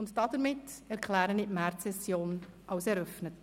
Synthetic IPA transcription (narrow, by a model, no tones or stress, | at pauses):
ʊntd̥ɑdəɾmɪtɛɾkʰlæːɾəniʔmærtsɛsjoːnʔɑwsɛɾœfnət